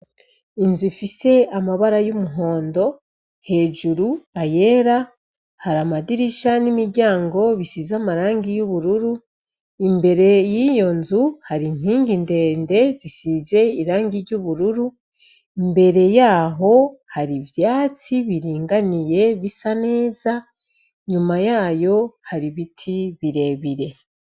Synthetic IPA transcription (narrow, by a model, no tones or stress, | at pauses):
inzufise̞amaβaɾajumuɦo̞ːndo̞ | he̞ːd͡ʒuɾuaje̞ːɾa | haɾamadiɾiʃanimiɾɟaːŋɡo̞βisizamaɾaːŋɡijuβuɾuɾu | imbe̞ɾe̞jijo̞nzuhaɾin̥hiːŋɡinde̞ːnde̞zisize̞iɾaːŋɡiɾɟuβuɾuɾu | imbe̞ɾe̞jaːɦo̞haɾivjaːt͡siβiɾiːŋɡanije̞βisane̞ːza | ɲumajaːjo̞haɾiβitʰiβiɾe̞ːβiɾe̞